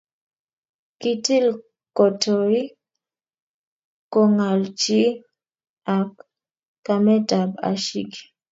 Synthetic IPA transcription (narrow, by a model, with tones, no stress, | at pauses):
ki˦ti˦l | kɔ˨to˨ɾi˦ | kːɔ˦ŋa˨lt͡ʃi˦ | a˨k | ka˨mɛ˦ta˨ba̰˨ʃi˦ki̥˨